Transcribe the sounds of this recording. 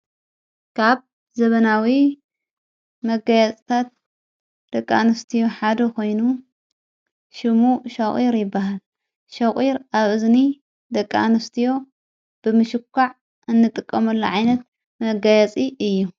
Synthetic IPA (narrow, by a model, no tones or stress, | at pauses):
kʰaβ | zɐβɐnawi | mɐɡajat͡sʼt̪ʰat̪̚ | d̪̥ɐkʼːa̰nɨst̪ʰijo̞ħad̪ɐkʰo̞jnu | ʃɪmuʃɐχʼiɾjɪbːaɦal | ʃɐχʼiɾaβɨzni | d̪ɐkʼːa̰nɨst̪ʰijo̞ | b̥ɨmɨʃɨkʰːaʕ | ɨnːɨt̪ʼɨkʼːɐmɐlːoʕajnɐt̪ | mɐɡajat͡sʼiʔɨjːu